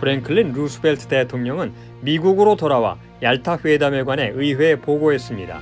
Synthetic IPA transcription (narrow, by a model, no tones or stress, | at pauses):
pʰɯɾeŋkʰɯɭːinɾusʰɯ̥beɭtʰɯ̥detʰoŋɲʌŋɯn | miɡuɡɯɾotoɾawa̰ | jaɭtʰaɸwedameɡwane̞ɯiɸwe̞ːpoɡoɦes͈ɯmɲida̰